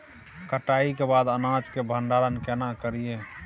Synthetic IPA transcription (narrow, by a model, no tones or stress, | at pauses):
kəʈaikebad̪ənãd͡ʒkebʱəɳɖaɾənkɛnakəɾije